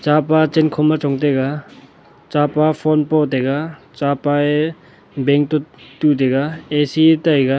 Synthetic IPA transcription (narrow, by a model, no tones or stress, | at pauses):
t͡ʃapat͡ʃenkʰɔmat͡ʃɔŋt̪eɡa | t͡ʃapapʰɔnpɔt̪eɡa | t͡ʃapae | beŋk̚t̪ot̪ut̪̬eɡaesiet̪aeɡa